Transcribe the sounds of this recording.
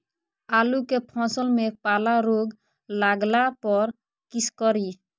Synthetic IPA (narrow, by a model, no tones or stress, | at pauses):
alukepʰɔ̃səlmepalaɾoɡ | laɡlapɔɾ | kiskɔɾi